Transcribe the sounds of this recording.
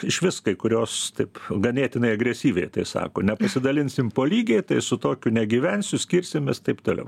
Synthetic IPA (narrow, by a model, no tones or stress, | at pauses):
ɪʃʋʲɪskɐɪkʊɾʲoːst̪ɐɪpɡɐnʲeːt̪ʲɪnɐɪɐɡɾʲɛsʲiːʋʲɛɪt̪ɐɪsɑ̰ːkoːnʲɛpɐsʲɪd̪ɐlʲɪnʲsʲɪmpoːlʲiːɡʲɛɪt̪ɐɪsʊt̪oːkʲʊnʲɛɡʲiːʋʲɛnʲsʲʊsʲkʲiːɾʲsʲɪmʲeːst̪ɐɪpt̪oːlʲɛ̰ʊ